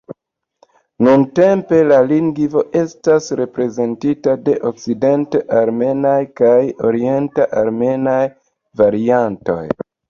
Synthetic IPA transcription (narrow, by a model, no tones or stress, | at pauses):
nunte̞mpe̞laliŋɡvo̞ʔe̞stasɾe̞pɾe̞ze̞ntitade̞ʔo̞kside̞nteʔaɾme̞najkajo̞ɾie̞ntaʔaɾme̞naj | vaɾianto̞̰j